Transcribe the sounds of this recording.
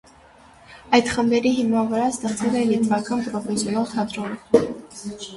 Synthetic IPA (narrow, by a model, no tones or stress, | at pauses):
ɑjd̪χəmbɛɾiɦimɑvəɾɑst̪ɛχt͡svɛlɛnɛt̪vɑkɑnpɾɔfɛsjɔnɑlt̪ʰɑd̪ɾɔnə